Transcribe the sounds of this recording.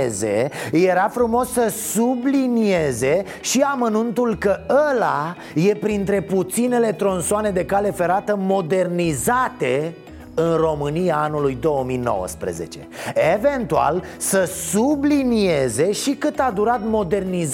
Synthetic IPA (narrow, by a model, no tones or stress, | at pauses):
ze̞je̞ɾafɾumo̞sːəsublinije̞ze̞ | ʃiamənunt̪ulkəəla | je̞pɾint̪ɾe̞put̪sine̞le̞t̪ɾo̞nsoane̞d̪e̞kale̞fe̞ɾat̪əmo̞d̪e̞rnizat̪e̞ | ɨnro̞mɨnijaanulujd̪o̞əmijno̞̰wə̰spɾḛze̞̰t͡ʃe̞̰eve̞nt̪ua̰lsəsublinije̞ze̞ʃikɨt̪ad̪uɾat̪mo̞d̪e̞rniz